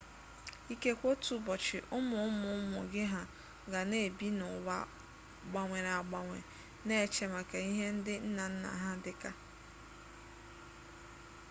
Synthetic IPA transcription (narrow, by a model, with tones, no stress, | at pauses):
i˦ke˦kʷo˦tu˨bɔ˨t͡ʃɪ˨ʔʊ˦mʊ˨ʊ˦mʊ˨˦mʊ̰˨ɡɪ˦ɦa˨ | ɡa˨ne˦˨bi˦nʊ˨wa̰˨ | ɡ͡ba˨ŋʷe˨ɾa˨ɡ͡ba˨ŋʷḛ˨ | ne˦e˨t͡ʃe˨ma˨ka˨i˦ɦe˦n̩˦dɪ˦n̩˦na˨n̩˦na̰˨ɦa˦dɪ˦ka˦